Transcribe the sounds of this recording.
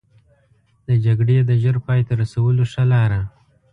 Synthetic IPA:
d̪əd͡ʒaɡɽed̪əʒəɾpɑjt̪aɾasawəloʂalɑɾa

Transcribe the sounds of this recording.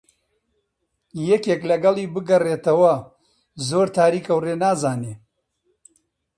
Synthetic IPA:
jɛkeːklɐɡɐlˠiːbɨɡɐreːt̪ɐwɐ | zoːɾt̪ʰaːɾiːkɐwreːnaːzaːneː

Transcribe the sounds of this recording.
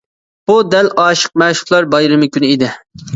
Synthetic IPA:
b̥ud̪ɛlʔɑːʃə̥q̚mɛʃʊ̥χlˠɑɾbɑjɾɨmɨkʲynɪid̪ɪ

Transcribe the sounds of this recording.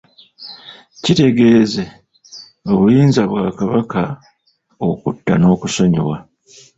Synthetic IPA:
cite̞ɡe̞ːze̞ | o̞βujiːnzaβwaːkaβaka | okutːano̞ːkuso̞ɲo̰wa

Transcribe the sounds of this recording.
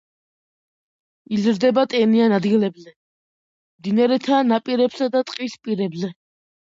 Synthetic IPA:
izɾd̪ɛbat̪ʼɛnianad̪ɡilɛbzɛ | md̪inaɾɛt̪ʰanapʼiɾɛpsad̪at̪ʼqʼispʼiɾɛbzɛ

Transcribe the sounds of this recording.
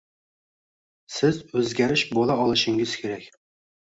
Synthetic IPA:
sɪzɵzɡʲæɾɪʃbolˠaɒlˠɨʃɪŋɪz̥kʲʰeɾɛkʲ

